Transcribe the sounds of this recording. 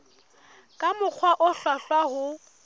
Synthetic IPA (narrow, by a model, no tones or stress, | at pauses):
kʼamʊk͡xʰwaʔʊɬwaɬwahʊ